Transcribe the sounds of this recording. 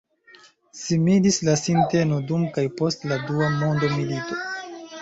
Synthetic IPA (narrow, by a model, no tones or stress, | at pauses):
similislasinte̞no̞dumkajpo̞stladuamo̞ndo̞milito̞